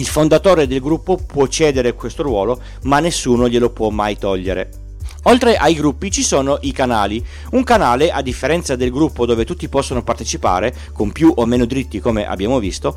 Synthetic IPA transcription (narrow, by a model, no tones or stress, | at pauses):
ilfond̪at̪oːɾed̪elɡɾupːopwɔt͡ʃːɛːd̪eɾekwest̪oɾwɔːlo | manːesːuːnoʎelopwɔmːajt̪ɔʎːeɾḛ | olt̪ɾeʔajɡɾupːit͡ʃisoːnoʔikanaːli | uŋkanaːleʔad̪ːifːeɾɛnt̪sad̪elɡɾupːod̪oːvet̪ut̪ːipɔsːonopart̪et͡ʃipa̰ːɾe | kompjuʔomːeːnod̪ɾit̪ːikomeʔa̰bːjaːmovist̪o